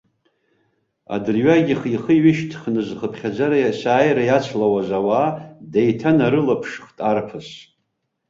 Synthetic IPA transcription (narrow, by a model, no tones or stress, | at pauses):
a̰dɨrɥaɡʲiχiχəɥɪʃtʰχnɨzχəpʰχʲad͡ʒaɾajasaːjɾajat͡sʷʰlawazawadejtʰanaɾɨlapʰʂχtʼarpʰɨs